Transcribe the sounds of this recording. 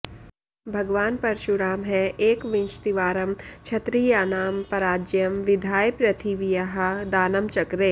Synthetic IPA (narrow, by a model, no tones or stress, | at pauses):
bʱɐɡʋaːnpɐɾʃuɾaːmɦɛeːkʋɪ̃nʃt̪iʋaːɾəmt͡ʃʰɐt̪ɾijaːnaːmpɐɾaːd͡ʒjɐmʋɪd̪ʱaːjpɾɐt̪ʰiʋijɐɦad̪aːnɐmt͡ʃɐkɾeː